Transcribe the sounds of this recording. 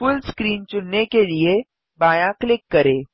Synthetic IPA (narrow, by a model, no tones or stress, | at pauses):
fʊlskɾiːnt͡ʃʊnːekelie | baːjãklɪkːɐɾeː